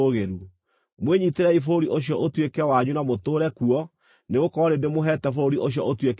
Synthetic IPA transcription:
oɣeɾu | mweɲiteɾɛifoɾiʔoɕjɔʔotwekɛwaɲunamotoːɾɛkuɔ | neɣokɔɾendemoɦɛtɛfoɾiʔoɕ̬jɔʔotwek

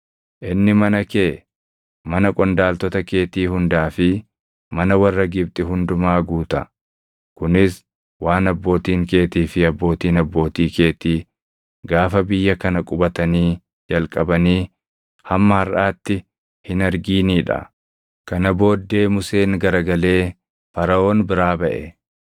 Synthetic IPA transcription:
ʔɪnːɪmɐnɐke̞ː | mɐnɐkʼɔnd̪aːlt̪ɔt̪ɐke̞ːt̪iːhʊnd̪aːfɪ | mɐnɐwɐrːɐɡɪb̚t̪ʼɪɦʊnd̪ʊmaːɡuːt̪ɐ | kʊnɪs | waːnɐbːo̞ːt̪iːŋke̞ːt̪iːfɪɐbːo̞ːt̪iːnɐbːo̞ːt̪iːke̞ːt̪iː | ɡaːfɐbɪjːɐkɐnɐkʼʊbɐt̪ɐniː | d͡ʒɐlkʼɐbɐniː | hɐmːɐhɐrʔaːt̪ːɪ | hɪnɐɾɡiːniːᶑɐ̰ | kɐnɐbo̞ːd̪ːe̞ːmʊse̞ːŋɡɐɾɐɡɐle̞ː | fɐɾɐo̞ːnbɪɾaːbɐʔɛ

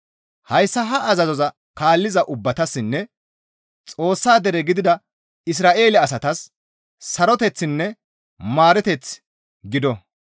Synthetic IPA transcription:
hɐjsːɐɦɐʔɐzɐzɔzɐ | kaːlːɪzɐʔʊbːɐt̪ɐsːɪnːɛ | t͡sʼo̞ːsːaːd̪ɛɾɛɡɪd̪ɪd̪ɐ | ɪs̬ɾaːʔe̞ːlɛɐs̬ɐt̪ɐsː | ɐɾɔt̪ɛt͡sːɪnːɛ | maːɾɛt̪ɛt͡s | ɡɪd̪ɔ

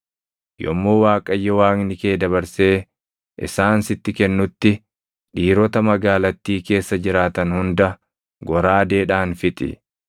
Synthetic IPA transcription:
jɔ̰mːoːwaːkʼɐjːɛwaːŋnɪke̞ːd̪ɐβɐɾse̞ː | ʔɪ̰saːnsɪt̪ːɪkɛnːʊt̪ːɪ | ᶑiːɾɔt̪ɐmɐɡaːlɐt̪ːiːke̞ːsːɐd͡ʒɪɾaːt̪ɐnhʊnd̪ɐ | ɡɔɾaːd̪e̞ːᶑaːnfɪt̪ʼɪ̰

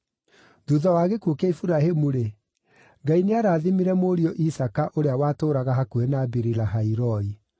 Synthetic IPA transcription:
ðuðɔwaːɣekuokɛifuɾahemuɾe | ŋɡaineaɾaːðimiɾɛmoɾiɔʔisakaʔoɾeawaːtoːɾaɣaɦakuɛnaːbiɾilaɦaiɾɔi

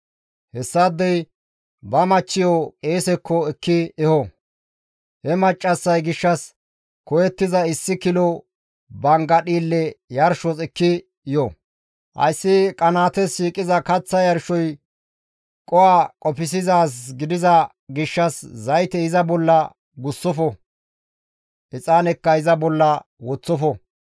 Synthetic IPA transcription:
hɛsːad̪ːɛj | bɐmɐt͡ʃːɪjɔeːsɛkʰːɔɛkːɪɛhɔ | hɛmɐt͡ʃʼːɐsːɐjɡɪʃːɐs | kɔjɛt̪ːɪzɐɪsːɪkɪlɔ | bɐŋɡɐɗiːlːɛjɐɾʃɔsɪkːɪ | jɔ | hɐ̰jsːɪkʼɐnaːt̪ɛsiːkʼɪzɐkɐt͡sːɐjɐɾʃɔj | kʼɔwaːkʼɔpɪs̬ɪzaːs̬ɡɪd̪ɪzɐ | ɡɪʃːɐszɐjt̪ɛɪzɐbɔlːɐ | ɡʊsːɔfɔ | ʔɪt͡sʼaːnɛkːɐɪzɐbɔlːɐwɔt͡sːɔfɔ

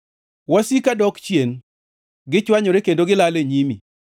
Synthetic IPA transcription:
wasikadɔkt͡ʃjen | ɡɪt͡ʃwaɲɔɾekendoɡɪlaleɲimi

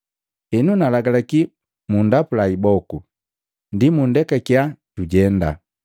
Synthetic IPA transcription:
ɛnunalaɡalaki | mundapulaibɔku | ndimundɛkakiaɟuɟɛnda̰

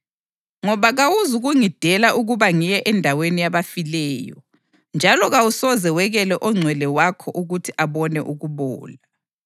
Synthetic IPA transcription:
ŋɔβaɣawuzuɣuŋid̥ʱɛlaʔuɣuβaŋijɛʔɛndʱawenijaβafilɛːjɔ̰ | nd͡ʒʱalɔɣawusɔzɛwɛɣɛlɛʔɔŋ͡ǀʱwɛlɛwakʰɔʔuɣutʰiʔaβɔnɛʔuɣuβɔ̰ːla

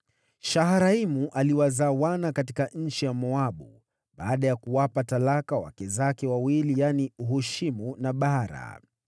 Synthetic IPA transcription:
ʃaɦaɾaimuʔaliwazaːwanakatikaɲ̩t͡ʃijamɔaɓu | ɓa̰ːɗajakuwapatalakawa̰kɛzakɛwawilijaniuɦuʃimunaɓaɾa̰

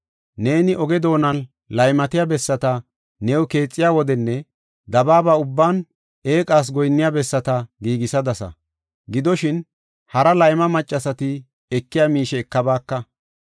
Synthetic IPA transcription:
ne̞ːnɪʔɔɡɛd̪o̞ːnɐn | lɐjmɐt̪ɪjaːbɛsːɐt̪ɐ | nɛwke̞ːt͡sʼːɪjaːwɔd̪ɛnːɛ | d̪ɐbaːbaːʊbːaːn | e̞ːkʼaːs̬ɡɔjnːɪjabɛsːɐt̪ɐɡiːɡɪsɐd̪ɐsɐ̰ | ɡɪd̪ɔʃɪn | hɐɾɐlɐjmɐmɐt͡ʃʼːɐsɐt̪ɪ | ɛkːɪjaːmiːʃɛːkːɐbaːkːɐ

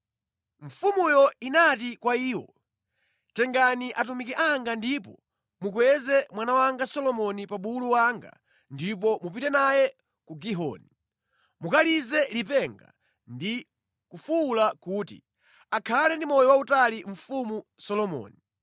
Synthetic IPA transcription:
ɱ̩fumujɔinatikwaiːwɔ̰ | tɛŋɡaniʔatumikɛʔaŋɡandipɔ | mukwɛzɛmwanawaŋɡasɔlɔmɔnipaɓuluwaŋɡa̰ | ndip̬ɔmupitɛnajɛ | kuɡiɦɔ̰ni | mukalizɛlipɛŋɡa̰ | ndi | kufuːlakuːtḭ | akʰalɛndimɔjɔwautaliɱ̩fumusɔlɔmɔ̰ːni

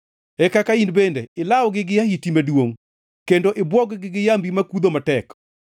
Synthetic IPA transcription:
ɛkakainbendeɪlawɡɪɡɪjahitimadwoŋ | kendoʔɪbwɔɡɡɪɡɪjambimakud̪omatɛk

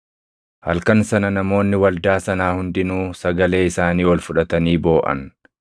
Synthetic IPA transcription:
hɐ̰lkɐnsɐnɐnɐmo̞ːnːɪwɐld̪aːsɐnaːhʊnd̪ɪnuːsɐɡɐle̞ːɪsaːniːwɐlfʊᶑɐt̪ɐniːbo̞ːʔɐ̰n

